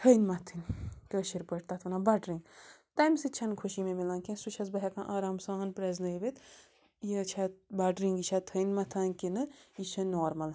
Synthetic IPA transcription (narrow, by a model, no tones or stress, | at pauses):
t̪ʰənmɐt̪ʰɨnkəːʃiɾpəʈt̪ɐt̪ʰɐnabɐɖɾĩŋɡt̪ɐjmsɨt͡ʃʰɐnkʰuʃimemilaːnkẽsut͡ʃʰɐzbɐɦɛkãːʔaːɾaːmsaːnpɾeznɐːʋit̪ | jit͡ʃʰabɐɖɾiŋɡit͡ʃʰat̪ʰɐnmɐt̪ʰɐːnkinɨiʃɐnoːɾmɐl